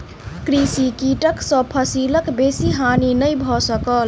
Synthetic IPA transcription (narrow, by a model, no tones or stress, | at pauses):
kɾisikiʈəksə̃pʰəsiləkbesiɦaninəjbʱɔsəkəl